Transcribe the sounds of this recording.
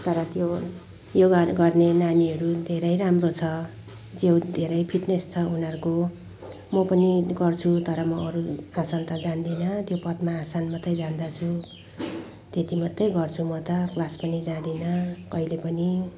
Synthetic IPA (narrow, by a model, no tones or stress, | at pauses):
t̪ʌɾʌt̪jo | joɡaɡʌrnenaniʌɾud̪ʱeɾʌjɾamrot͡sʰʌ | d͡zewd̪ʱeɾʌjpʰiʈnest͡sʰʌɦunʌrko | mʌpʌniɡʌrt͡sʰut̪ʌɾʌmʌːɾuasant̪ad͡zand̪inʌt̪jopʌt̪maːsanmʌt̪ːʌjd͡zand̪at͡sʰu | t̪et̪imʌt̪ːejɡʌrt͡sʰumʌt̪ʌklaspʌnid͡zãd̪inʌkʌilepʌni